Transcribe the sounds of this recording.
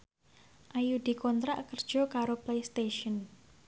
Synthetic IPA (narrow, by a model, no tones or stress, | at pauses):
ʔajud̪̥i̤kɔnt̪ɾaʔkərd̥ʒ̥ɔ̤kaɾoplejst̪eʃɔn